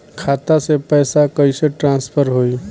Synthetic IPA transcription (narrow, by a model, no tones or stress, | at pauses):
kʰaːt̪asepɛːsakəiseʈɾãːnspʰəɾɦoːi